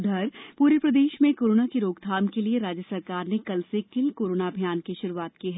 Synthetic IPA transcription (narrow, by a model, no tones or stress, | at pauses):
d̪ʱɐɾpuːɾəpɾɐd̪eːʃmẽkoːɾoːnakeɾoːɡd̪ʱaːmkelieɾaːd͡ʒjəsɐɾkaːɾnekɐlsekɪlkoːɾoːnabʱijaːnkiʃʊɾuaːt̪kiɦɛː